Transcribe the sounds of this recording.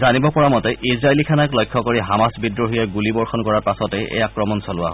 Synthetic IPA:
zanibɔpɔɹamɔtɛʔisɹaelikʰanaklɔjkʰːɔkoɹiɦamasbidɹɔɦujaɡulibɔɹxɔnkɔɹaɹpasɔtɛʔḛjakɹɔmɔnsɔlʊwa̰ɦ

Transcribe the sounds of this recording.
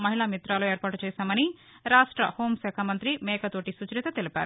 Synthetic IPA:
mɐɦiɭaːmit̪ɾaːloeːɾpaːʈut͡ʃɛːsaːmɐni | ɾaːʂʈɾɐ̰hoːmsɛːkʰamɐnt̪ɾimɛːkɐt̪oːʈisut͡ʃɾit̪ɐt̪elipʲa̰ːɾu

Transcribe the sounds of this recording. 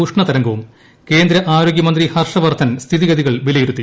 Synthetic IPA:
uʂɳɐt̪ɐɾɐŋɡɐʋum | ke̞ːnd̪ɾɐʔaːɾo̞ːɡjɐmɐnd̪rihɐrʂɐʋɐrt̪ʰːɐnst̪ʰiðiɣɐðiɣɐɭʋilɐjiɾut̪ːi

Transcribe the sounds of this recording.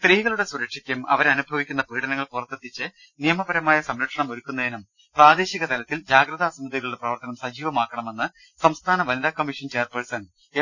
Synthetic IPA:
st̪riːɣɐɭuɽe̞suɾɐkʂikʲːɐmɐ̰ʋɐɾɐnubʱɐʋikʲːunːɐpiːɽɐnɐŋːɐɭpurɐt̪ːet̪ːit͡ɕːɨ | nijɐmɐbɐɾɐmaːjɐsɐmɾɐʈʂɐɳɐmo̞ɾukːunːɐðinum | praːd̪e̞ːɕiɣɐt̪ɐlɐt̪ːild͡ʑaːɡɾɐðaːsɐnd̪ɐðiɣɐɭuɽe̞prɐʋɐrt̪ɐnɐmsɐd͡ʑiːʋɐmaːkːɐɳɐme̞nːɨ | sɐmst̪ʰaːnɐʋɐniðaːkːɐmːiʂɐnt͡ɕeːrpersɐn | e

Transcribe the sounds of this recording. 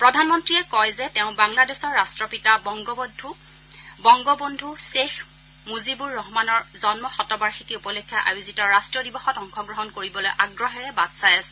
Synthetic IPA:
pɹɔdʱanmɔntɹiɛkɔjzɛtɛʊ̃baŋladɛsɔɹːastɹɔpitabɔŋɡɔbɔdʱu | bɔŋɡɔbondʱusex | muzibuɹːɔɦmanɔɹzɔnmɔxɔtɔbaɹxikiupɔlɔkʰːjaʔa̰juzitɔɹastɹɔdibɔxɔtɔŋxɔɡɹɔɦɔnkoɹibɔlojʔaɡɹɔɦɛɹɛbadsajasɛ̥

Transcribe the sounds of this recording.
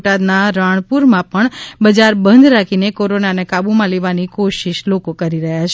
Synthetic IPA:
ʈad̪naɾaɳ̃puɾmãpəɳbəd͡ʒaɾbənd̪ɾakʰinekoɾonanekabumãleʋanikoʃiʃlokokəɾiɾəɦjat͡ʃʰ

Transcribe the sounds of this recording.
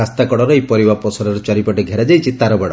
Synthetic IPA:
ast̪akɔɽɔɾɔejpɔɾibapɔsɔɾɔɾɔt͡ʃɔɾipɔʈeɡʱeɾad͡ʒajt͡ʃʰit̪aɾɔbeɽɔ

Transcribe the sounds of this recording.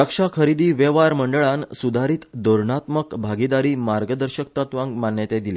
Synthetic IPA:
əkʂakʰəɾid̪iːʋeʋaɾməɳɖəɭansud̪ʱaɾiːt̪d̪oɾɳat̪məkbʱaɡid̪aɾiːmaɾɡəd̪əɾɕək̚t̪at̪ʋãŋɡmanjət̪ed̪ile

